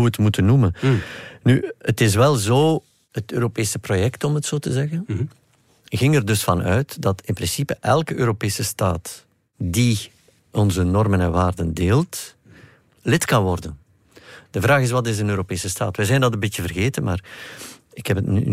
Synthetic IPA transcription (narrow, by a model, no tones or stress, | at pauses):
uətmutənːumənnyətɪs̬ʋɛlˠzoː | ɦətøːɾopeːsəprojɛktɔmɦətsoːtəzɛɣən | ɣɪŋərdɵsfɑnœɥtdɑtɪnprɪnsipəʔɛlˠkəʔøːɾopeːsəstaːt | di | ɔnzənɔrmənɛnʋaːrdəndeːlˠt | lɪtkɑnwɔrdən | d̥əvɾaːɣɪs̬wɑtɪsənøːɾopeːsəsta̰ːtʋɛzɛjndɑtəmbɪtjəvərɣeːtənma̰ːr | ɪkhɛpətny̰